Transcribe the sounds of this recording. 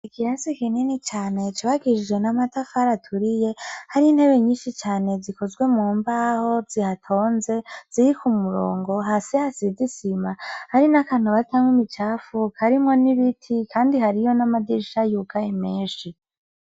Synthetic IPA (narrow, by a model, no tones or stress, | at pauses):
ikʰiɾasikininit͡ʃaːne̞t͡ʃiβaɡid͡ʒid͡ʒwenamatafaɾatʰuɾije̞haɾiin̥he̞βe̞ɲiːnʃit͡ʃaːne̞ziko̞zɡwe̞muːmbaho̞zihatʰo̞ːnze̞z̥iɾikumuɾo̰ːŋɡo̞ɦasihasizisimahaɾinakan̥uβatʰamwimit͡ʃaːfukʰaɾimŋo̞niβitʰikʰaːndihaɾijo̞namadiɾʃajukʰajemeːʃi